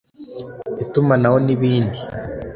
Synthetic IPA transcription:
itumanaho̞niβiːndi

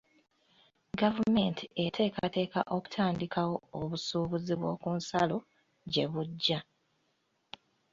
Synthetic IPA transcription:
ɡavume̞ntie̞tʰe̞ːkate̞ːka̰ʔo̞ku̥tʰaːndikawo̞ːβusuːβuziβwo̞̰ːkuːnsalo̞ | ɟe̞βuɟːa

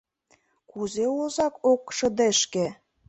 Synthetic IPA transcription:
kuzeozɑkokʃɤ̆d̪eʃkĕ

